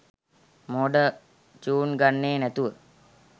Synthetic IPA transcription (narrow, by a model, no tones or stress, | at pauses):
moɖə | t͡ʃuːnɡanːeːnæt̪uʋə